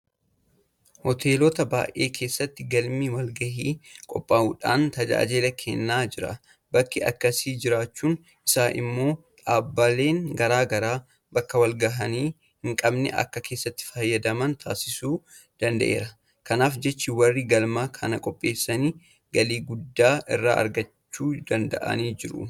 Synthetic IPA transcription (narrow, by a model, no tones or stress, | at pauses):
hɔt̪ʰe̞ːlɔt̪ɐba̰ːjʔe̞̰ːkʰe̞ːsːɐt̪ːɪɡɐlmiwɐlɡɐɦiːkʼɔpʼːaːʔuːᶑa̰ːnt̪ɐd͡ʒa̰ːd͡ʒelɐkʰɛnːaːd͡ʒɪɾɐ̰ | bɐkːɪɐ̰kːɐsiːd͡ʒɪɾaːt͡ʃːuːn | ʔɪsaːʔɪ̰mːo̞ː | ᶑaːbːɐle̞ːŋɡɐɾaːɡɐɾaː | bɐkːɐwɐlɡɐɦɐniː | hɪŋkʼɐbnɛ̰ʔɐ̰kːɐkʰe̞ːsːɐt̪ːɪ̥fɐjːɐd̪ɐmɐnt̪ʰa̰ːsɪsuː | d̪̥ɐnd̪ɐ̰ʔe̞̰ːɾɐ | kɐnaːfd͡ʒɛt͡ʃːɪwɐrːiɡɐlmaːkʰɐnɐkʼɔpʼːe̞ːsːɐniː | ɡɐliːɡʊd̪ːaːʔɪrːa̰ːʔɐ̰ɾɡɐt͡ʃːuːd̪̥ɐnd̪ɐ̰ʔɐ̰niːd͡ʒɪɾʊ̰